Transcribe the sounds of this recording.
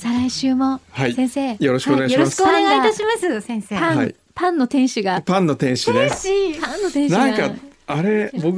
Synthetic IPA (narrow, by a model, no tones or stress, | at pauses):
saɾaiɕɨːmo̞haisẽɰ̃se̞ːjo̞ɾoɕikoneɡajioɾmɕi̥kɯooneɡait̪aɕimasɨsẽseãai | pãnːo̞t̪ẽ̞ɰ̃ɕiɡapãnːo̞t̪ẽ̞ɰ̃ɕid̪eɕipãnːot̪ẽnãŋkaaɾe̞bo̞k